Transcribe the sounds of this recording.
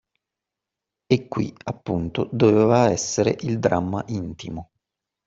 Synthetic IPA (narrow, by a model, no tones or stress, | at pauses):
ekːwḭapːunt̪od̪oveːvaɛsːeɾḛʔild̪ɾamːaʔint̪imo